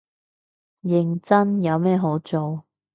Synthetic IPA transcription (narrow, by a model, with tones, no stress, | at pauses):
jɪ˨ŋt͡sɐ˥njɐ˨˧wmɛː˥˧ɦo˨˥wt͡so˨w